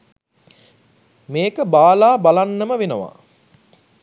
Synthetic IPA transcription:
meːkəbaːlaːbalanːəməʋenəʋa̰

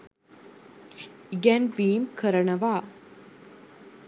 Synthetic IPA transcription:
ɡɛnʋiːmkʰəɾɐɳɐʋaː

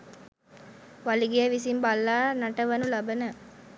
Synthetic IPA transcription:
ʋaliɡijəʋisimbalːaːnɐʈəʋɐnulɐbənə

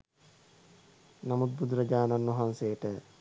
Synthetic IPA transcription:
namut̪̚bud̪ɾəd͡ʒaːnanːoɦanseːʈə

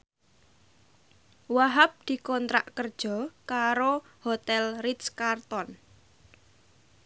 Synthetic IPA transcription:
waɦap̚d̪̥i̤kɔnt̪ɾaʔkərd̥ʒ̥ɔ̤kaɾo | hot̪ɛlriskart̪ɔn

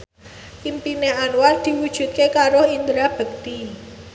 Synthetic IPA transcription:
impineanward̪̥i̤wud̥ʒ̥ṳt̪̚kekaɾoind̪ɾab̥ə̤k̚t̪i

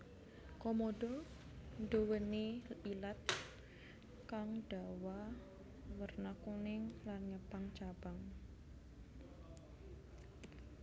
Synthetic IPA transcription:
kɔmɔɖɔ | ndowəneilat̪̚ | kaŋɖ̥a̤wa | wərnakunɪŋlanɲəpaŋt͡ʃab̥aŋ

